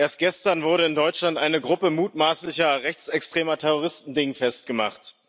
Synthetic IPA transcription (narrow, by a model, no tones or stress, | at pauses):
ʔeːɐst̚ɡ̥ɛstɐnvʊɐɾəɪndɔʏt͡ʃlantʔaɪnəɡʁʊpəmuːtmaːslɪçɐʁɛçt͡sɛkstʁ̥eːmɐtʰɛʁoʁ̞ɪstn̩dɪŋfɛst̚ɡ̥əma̰χt